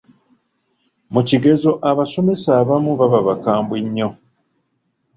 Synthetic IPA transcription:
muciɡe̞zo̞ʔaβaso̞me̞saːβamuβaβaβakaːmbweɲːo̞

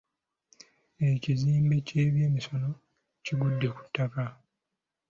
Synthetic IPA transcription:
e̞ciziːmbe̞ce̞ːβjeːmiso̞no̞ | ciɡudːe̞ku̥tːaka

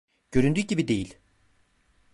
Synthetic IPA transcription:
ɟ̥ø̞ɾynd̪yːɟibid̪e̞jilʲ

